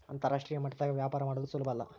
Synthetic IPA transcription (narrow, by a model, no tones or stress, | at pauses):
ɐ̰nt̪ɐɾaːʂʈɾijɐmɐʈːɐd̪aːɡɐʋjaːpaːɾɐmaːɽod̪usulbʱɐːlːɐ̰